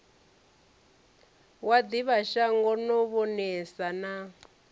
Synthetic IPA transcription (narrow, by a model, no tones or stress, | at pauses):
wad̪iβaʃaŋɡɔnɔβɔnɛsana